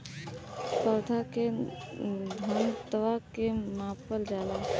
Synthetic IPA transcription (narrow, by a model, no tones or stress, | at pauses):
pəwd̪ʱake | d̪ʱənt̪əʋakemãːpəld͡ʒaːla